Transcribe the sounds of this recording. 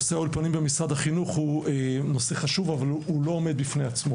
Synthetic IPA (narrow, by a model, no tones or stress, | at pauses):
seaulpanimbemisʁad̪haχinuχhueno̞seχaʃuvavalulo̞ːme̞d̪̚bifnejat͡smo